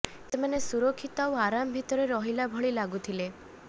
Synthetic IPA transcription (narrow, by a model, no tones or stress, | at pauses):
semanesuɾokʰːit̪ɔawaɾamɔbʱit̪ɔɾeɾɔɦilabʱɔɭilaɡut̪ʰile